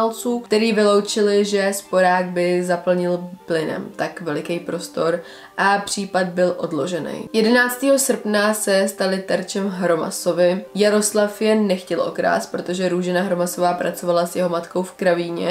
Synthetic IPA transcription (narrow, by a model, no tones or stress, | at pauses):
alt͡suːt̪ɛɾiːvɪlowt͡ʃɪlɪʒɛspo̞ɾaːɡ̚bɪzapl̩ɲɪlplɪnɛ̰mt̪akvɛlɪkɛjpɾo̞st̪o̞ɾ | ʔapr̝̥iːpad̪̚bɪlʔo̞̰dlo̞ʒɛnɛ̰jjɛdɛnaːt͡st̪iːɦo̞sr̩pnasɛst̪alɪt̪ɛɾt͡ʃɛmɦɾo̞ma̰so̞vɪjaɾo̞slafjɛnːɛxcɛlʔo̞̰kɾa̰ːspɾo̞t̪o̞ʒɛɾuːʒɪnaɦɾo̞maso̞vaːpɾʔa̰t͡so̞valasjɛɦo̞mat̪ko̞wfkɾaviːɲɛ̰